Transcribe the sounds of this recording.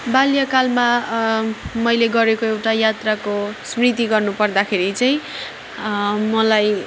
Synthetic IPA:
baljʌkalma | mʌjleɡʌɾekoewʈajat̪rakosmrit̪iɡʌrnupʌrd̪akʰeɾit͡saj̃ | mʌlaj

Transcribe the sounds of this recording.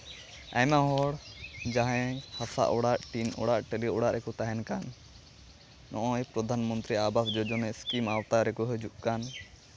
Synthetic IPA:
a̰jmaɦɔɽd͡ʒaɦɛ̃hasa̰ʔɔɽaʔʈinɔ̰ɽaʔʈeliɔɽaʔɾʔɛkɔt̪aɦɛnkan | ɔʔɔ̃ɛpɾɔd̪ʱanmɔnt̪ɾiabasd͡ʒɔd͡ʒɔnɛskimawt̪aɾɛkɔɦɔd͡ʒuʔkan

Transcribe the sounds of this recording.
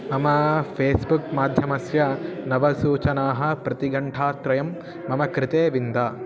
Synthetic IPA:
mɐmɐpʰeːsbukmaːd̪ʱjɐmɐsjɐnɐʋɐsuːt͡ʃɐnaːɦɐ̆pɾɐt̪iɡɐɳʈʰaːt̪ɾɐjɐmː | ɐmɐkɾɪt̪eːʋind̪aː

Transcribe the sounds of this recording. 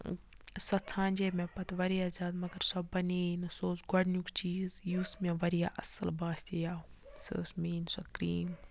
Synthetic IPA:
sɐt͡sʰãːnʲd͡ʒeːmẽpɐt̪ʋɐɾijazaːd̪mɐɡɐɾsɐbbɐneːinsoːsɡɐɽnjukt͡ʃiːzjuːsmẽʋɐɾija̰ʔɐsɐ̰lbaːst̪ejaːsə̰ːsmiːnsɐkɾiːm

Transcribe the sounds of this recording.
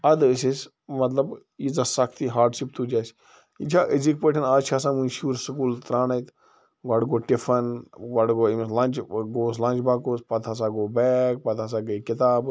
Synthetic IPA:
ɐd̪sis | mɐt̪ləb | izɐsɐkʰt̪iːɦaːɾɖʃip̚t̪ʰud͡ʒas | ḭt͡ʃʰaʔezik̚peʈʰɐnaːt͡ʃʰaːs̬ãːmunʃuːɾsəkuːlt̪ɾaːnajt̪ | ɡaːɖɡoːʈifʰɐnɡaɖɡoːimslãːnt͡ʃɡoːslãːnt͡ʃbaːkoːspɐt̪ʰaːs̬aːɡoːbɛːk̚pɐt̪ʰaːs̬aɡəkɪt̪aːb

